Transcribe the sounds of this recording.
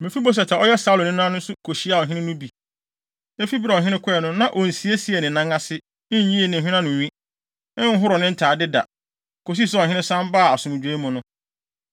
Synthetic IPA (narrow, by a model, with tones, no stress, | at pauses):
mɪ̃˨fi˦bo˦s̬ɛ˨tʰa˨ɔ˦jɛ˦saː˨˦lʊ˨nɪ̃˦ñ˦ã˦nʊ̃˦sʊ˦kʰo˨ɕi˦a˦˨ɦɪ̃˦ɪ̃˦nʊ̃˦bi˨ | e˦fi˦bɪ˦ɾɔ˨ɦɪ̃˦nɪ̃˦kʷʰʊ˦ɛ˨nʊ̃˦nã˨ʔo˨n̩˨si˨e˦si˨e˨nɪ̃˨nã˦ŋa˦sɪ˦ | nɪ̃˦ɲ˦ɲĩ˦e˦˨nɪ̃˨ɦᶣɪ̃˦nã˦nʊ̃˨ɲĩ˦ | ɪ̃˦ŋ̩˦ɦʊ˦ɾɔ˨nɪ̃˦n̩˦tʰaː˨dɪ˦da̰˨ | kʰo˨s̬i˦s̬ʊ˦ɔ̃˨ɦɪ̃˦ɪ̃˦sã˦m˦baː˦˨a˨sʊ̃˨m̃˨d͡ʑᶣe˨˦mʊ̃˨nʊ̃˦